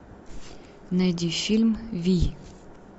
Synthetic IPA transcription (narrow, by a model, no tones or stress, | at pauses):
nɐjdʲifʲilʲmvʲi